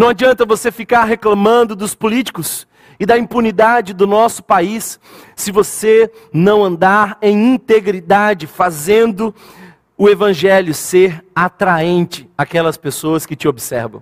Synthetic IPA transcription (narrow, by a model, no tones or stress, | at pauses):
nɐ̃w̃ad͡ʒiɐ̃nt̪ɐvosefikaɾɦeklɐ̃mɐ̃nd̪ʊd̪ʊspʊlit͡ʃi̥kʊs | ɪd̪aĩpunid̪ad͡ʒɪd̪ʊnɔsʊ̥paisː | ɪvose | nɐ̃w̃ɐ̃nd̪aɾẽj̃ĩnt̪eɡɾid̪ad͡ʒɪfazẽnd̪ʊ | ʊevɐ̃ʒɛljʊseɾat̪ɾaẽnt͡ʃɪakɛlɐspesoɐskɪt͡ʃɪobisɛ̰ɾvɐ̃w̃